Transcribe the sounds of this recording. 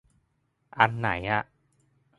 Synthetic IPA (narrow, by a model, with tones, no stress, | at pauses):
ʔa˧nːa̰˩˦jʔa˧˩ʔ